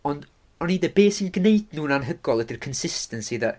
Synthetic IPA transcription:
ɔnd | ɔniðɛbeːsinɡneɨdnuːnanɦəɡɔlˠɛdirkʰənsɪstənsiða

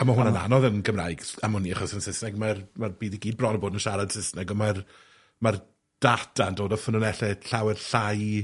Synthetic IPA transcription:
amaɦʊnana̰nɔðənɡəmra̰jɡamʊniaχɔsənsɪsnɛɡmarmarbiːðiɡiːd̚brɔnɔboːdənʃaɾad̥sɪsnɛɡɔmar | mar | d̥atʰandoːdɔfənɔnɛɬɛɬawɛrɬaj

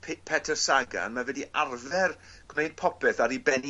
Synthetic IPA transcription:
pʰɪpʰɛtʰərsaɡa̰nmavɛdiʔarðɛrɡ̥mejd̥̚pʰɔpɛθaɾibɛn

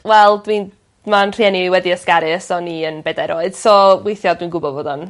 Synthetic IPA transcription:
wɛlˠdwin | manr̥iɛniwɛdiəskaɾɨəsɔniənbeːdaɾʔoːɨd̥sowejθjɔdwiːnɡʊbɔvoːdɔn

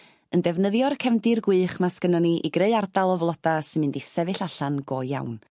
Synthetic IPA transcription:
əndɛvnəðjɔrkʰɛmdɨrɡwɨːχmaskənɔniʔḭɡreɨardalˠɔvlˠɔd̥asɨnmɨndisɛvɨɬaɬanɡɔjja̰wn

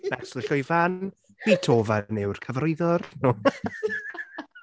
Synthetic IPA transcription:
nɛsɪɬʊjvan | b̥iːtʰoːvanɪwrkʰəvrojðɔrnuː

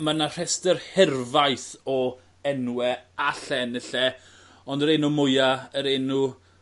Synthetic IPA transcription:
manar̥ɛstərhɪrvajθɔ | ɛnwɛaɬɛnəɬɛ | ɔndəɾenumʊjaəɾenu

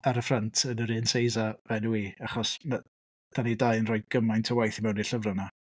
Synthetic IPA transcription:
aɾəfrantʰənəɾɨːnsejzavɛnuiaχɔsna | d̥anidaɨənrɔːɨd̚ɡ̥əmajntʰəwajθimɛwniɬəvrəna

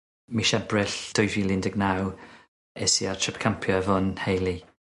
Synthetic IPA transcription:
miʃɛbrɪɬd̥ʊjvwilˠɪndɛɡnaw | ɛsiatʰɪp̚kʰampʰjɔɛvɔnhejlˠi

